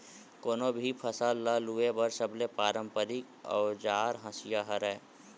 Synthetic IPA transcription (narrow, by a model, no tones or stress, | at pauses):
koːnobʱipʰəsalːaluebəɾsəblepaːɾə̃mpəɾɪk | ɔ̰ːd͡ʒaːɾɦə̃sijaɦəɾɛː